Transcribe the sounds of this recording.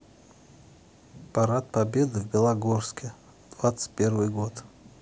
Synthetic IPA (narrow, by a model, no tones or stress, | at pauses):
paɾat̪̚pabʲed̪ɨvbʲɪlˠaɡorskʲɪ | d̪̥vat̪sɨ̥tʲpʲervɨjɡot̪